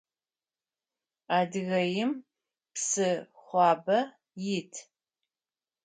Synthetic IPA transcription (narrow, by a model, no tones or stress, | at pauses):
aːdɨɣɐjɪm | psɨχʷɑːbɐ | jɪtʰ